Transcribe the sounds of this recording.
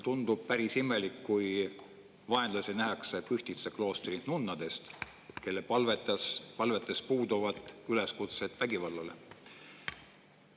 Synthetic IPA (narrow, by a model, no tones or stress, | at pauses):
t̪und̪̥ub̥̚pæɾisime̞likːuj | vɑe̞nd̪lɑsʲinæɦɑksepyht̪it̪seklo̞ːst̪ɾinunːɑd̪̥e̞st̪ | et̪ke̞lːepɑlvet̪ːˑɑspɑlve̞t̪ːˑespuːd̪uvɑt̪ːˑyle̞skut̪se̞t̪væɡivɑlːɑle̞̰